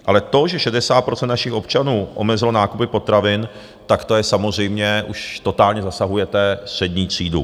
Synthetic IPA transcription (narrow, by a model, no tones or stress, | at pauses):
ʔalɛt̪o̞ʒɛʃɛdɛsaːt̪̚pɾot͡sɛnt̪naʃɪxo̞pt͡ʃanuːʔo̞mɛzɪlo̞naːkupɪpo̞t̪ɾavɪn | t̪akt̪ojɛsamozr̝ɛjmɲɛʔuʃt̪o̞t̪aːlɲɛzasaɦujɛt̪ɛst̪r̝̥ɛd̪ɲiːt̪r̥iːdṵ